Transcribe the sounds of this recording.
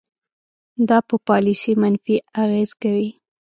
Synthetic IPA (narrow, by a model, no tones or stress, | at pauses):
d̪ɑpəpɑlisimanfiaɣezkawi